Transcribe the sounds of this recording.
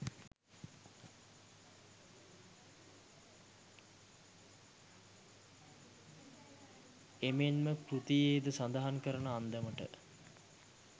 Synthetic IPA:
emenməkɾut̪ijeːd̪əsand̪aɦankəɾənəand̪əməʈə̰

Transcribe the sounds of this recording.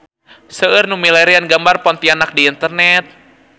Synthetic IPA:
səɨrnumilɛɾianɡambarpɔnt̪ianak̚diːnt̪ərnɛt̪̚

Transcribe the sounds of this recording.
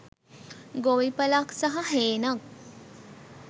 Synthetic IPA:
ɡoʋipəlaksaɦɐɦeːnak̚

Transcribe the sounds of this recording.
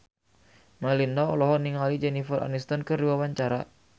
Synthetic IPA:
malindaɔlɔɦɔniŋalid͡ʒɛnifəra̰nist̪ankəɾiwawaɲt͡ʃaɾa̰

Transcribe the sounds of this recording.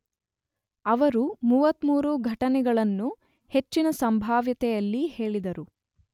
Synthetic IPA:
ɐʋɐɾumuːʋɐt̪muːɾuɡʱɐʈɐnɛɡɐɭɐnːu | he̞t͡ʃːinɐsɐmbʱaːʋjɐt̪ɛjɐlːihe̞ːɭid̪ɐɾu

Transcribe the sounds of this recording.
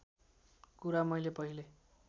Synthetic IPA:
kuɾamʌjlepʌɦile

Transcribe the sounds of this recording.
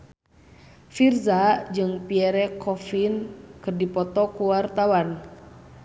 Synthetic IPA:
firzad͡ʒɨŋpiɛɾɛkʰɔfinkɨrdipɔt̪ɔkuwart̪awan

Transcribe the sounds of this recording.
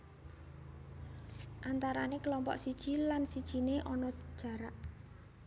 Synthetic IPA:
ʔant̪aɾanekəlɔmpɔ̰ʔsid̥ʒ̥i̤lansid̥ʒ̥i̤neʔɔnɔ̥ʒ̥a̤ɾaʔ

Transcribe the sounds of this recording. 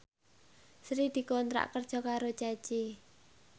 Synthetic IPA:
sɾid̪̥i̤kɔnt̪ɾa̰ʔkərd̥ʒ̥ɔ̤kaɾo̥d͡ʒ̥ḁt͡ʃi

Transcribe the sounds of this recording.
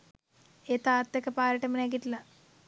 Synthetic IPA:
eːt̪aːt̪ːekːepaːɾɐʈːɐminak̬ːiʈːilɐ

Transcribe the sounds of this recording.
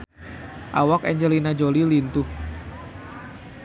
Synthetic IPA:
ʔa̰wakɛɲd͡ʒəlinad͡ʒolilint̪ʊh

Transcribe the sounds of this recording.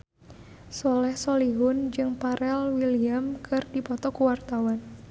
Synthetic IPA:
sɔlɛhsɔliɦʊnd͡ʒɨŋpaɾʔɛlwiliamkʰɨrdipɔt̪ɔkuwart̪awan

